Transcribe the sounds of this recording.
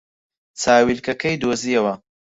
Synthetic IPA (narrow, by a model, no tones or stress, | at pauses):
t͡saːwilkɐkʰɐjd̪oːziːɐwɐ